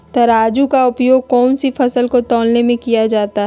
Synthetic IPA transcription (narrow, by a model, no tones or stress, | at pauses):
t̪ɐɾaːd͡ʒukaʊpjoːɡ̚kɔːnsifɐsəlkot̪ɔːlnemẽkijad͡ʒaːt̪aɦɛ